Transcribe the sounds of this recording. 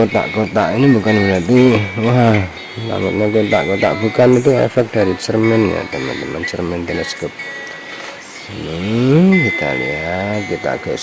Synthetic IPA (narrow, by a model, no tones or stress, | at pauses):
ot̪a̰ʔkot̪a̰ʔinibukanbənat̪iwaɦ | la̰ŋət̪̚ɲakot̪a̰ʔkot̪a̰ʔbukanit̪̬uḛfɛk̚d̥aɾit͡ʃərmɛnja̰t̪əma̰nt̪əmant͡ʃərmɛnt̪ənəskɔp̚ | kit̪a̰lḭat̪̚kit̪a̰ʔɡ̥əʔ